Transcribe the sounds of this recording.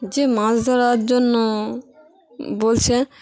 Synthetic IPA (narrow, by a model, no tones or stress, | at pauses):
d͡ʑemãd͡ʑd̪ʱɔɾaɾd͡ʒonːo | bolt͡ɕʰe